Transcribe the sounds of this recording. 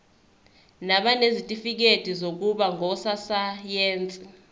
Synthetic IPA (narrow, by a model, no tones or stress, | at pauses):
naɓanezitʼifik̬ed̥ʱizok̬uɓaŋʱɔsasajeːnt͡sʼi